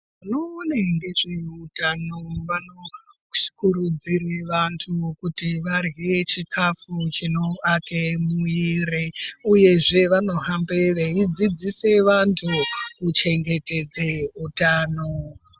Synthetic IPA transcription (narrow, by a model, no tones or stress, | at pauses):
uno̞ːneŋɡe̞ʐeutanoʋano̥ | kuɾud͡ziɾeʋantʰukutiʋarɣet͡ʃikʰafut͡ʃino̞akemuiɾeuje̞ʐe̞ʋano̞ɦambeʋeid͡zid͡zise̞ʋantʰukut͡ʃe̞ŋɡe̞te̞d͡zeutaːno